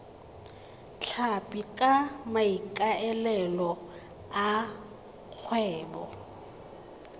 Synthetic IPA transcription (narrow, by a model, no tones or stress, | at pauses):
t͡ɬʰapʼikʼamaikʼaɛlɛlɔ | a | k͡xʰwɛːbɔ̰